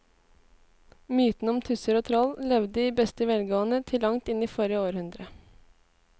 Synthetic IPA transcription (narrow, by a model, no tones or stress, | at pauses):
myːt̪n̩ɔmt̪ʰʉsəɾoːt̪ʰɾɔllɛʋd̪əiːbɛst̪əʋɛlɡoːənət̪ʰɪlːɑŋt̪ɪniːfoɾɪəoːɾhʉnd̪ɾə